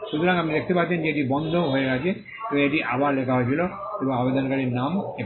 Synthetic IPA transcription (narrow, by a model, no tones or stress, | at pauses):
ʃut̪ʰuɹãŋapnid̪ekʰit̪epat̪sʰend͡ʒeeʈibɔnd̪ʱoɦojekad͡ʒe | t̪umieʈiʔa̰baɹlekʰaɦojsʰilo | ebaabed̪ɔnkaɹiname